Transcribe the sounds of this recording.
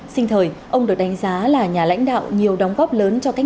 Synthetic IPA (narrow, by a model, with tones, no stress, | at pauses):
sï˧ŋ̟t̪ʰəː˨˩jʔə˧wŋ͡mɗɨ˨˩ək̚ɗa˨˦ŋ̟zaː˨˦laː˨˩ɲaː˨˩la̰˧˥jŋ̟ɗa̰ː˧˨wɲi˨˩əwɗə˨˦wŋ͡mɣɔ˦˥p̚ləː˨˦nt͡ɕɔ˧ka˦˥